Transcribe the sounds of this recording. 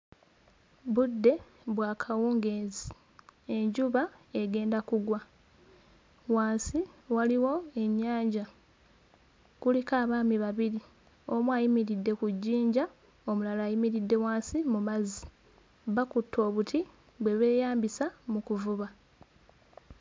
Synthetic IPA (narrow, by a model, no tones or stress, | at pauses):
βudːe̞ | βwaːkʰawuːŋɡe̞ːzi | e̞ɲɟuβae̞ɡe̞ːndakuɡwa | waːnsiwaliwo̞e̞ɲːaːɲɟa | kulikaːβaːmiβaβiɾi | o̞mwaːjimiɾidːe̞kuɟːiːɲɟa | omulalaːjimiɾidːe̞waːnsimumazi | βakutʰːo̞ːβutʰi | βwe̞βeːjaːmbisamukuvuβa